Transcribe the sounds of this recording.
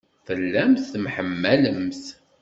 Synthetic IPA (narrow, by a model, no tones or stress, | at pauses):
fəlːæmθθmħəmːæləmθ